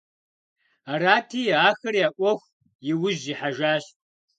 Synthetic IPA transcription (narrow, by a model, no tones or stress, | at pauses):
aɾaːtʰiːaːxɐrjaːʔʷʼɔxʷ | jɪwʊʑiħaʒaːɕ